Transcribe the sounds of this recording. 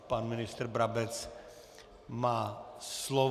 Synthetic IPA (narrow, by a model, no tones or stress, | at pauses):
panmɪnɪst̪ɛɾbɾabɛt͡s | maːslɔ